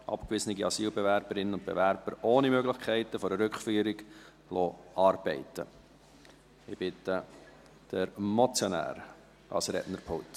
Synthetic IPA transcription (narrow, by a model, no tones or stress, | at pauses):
ʔɑ̰pkvɪsənɪɡiɑsiːlbɛvæɾbəɾɪnənʊnt̪̚bḛvæɾb̥əɾoːnimøɡlɪχkʰɛɪtəfɔɾəɾʏkχfyːɾɪɡ | loːʔɑːrb̥ɛɪtə̰ | ɪb̥ɪtə | d̥əɾmɔt͡sjɔnæ̰ːɾ | ɑ̰lsɾɛ̰tnəɾpʰolt